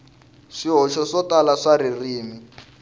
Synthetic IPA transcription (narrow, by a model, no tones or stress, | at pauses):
ʂiɦɔʃɔʂɔtalaʂaririːmi